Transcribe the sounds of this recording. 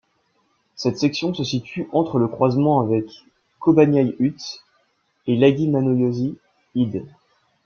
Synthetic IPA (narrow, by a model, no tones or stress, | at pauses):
sɛt̪sɛksjɔ̃səsit̪ʰyʔɑ̃t̪χələkχwazmɑ̃avɛkː | ɔbanjajyt̪ | elaɡʲinanoljozi | id̪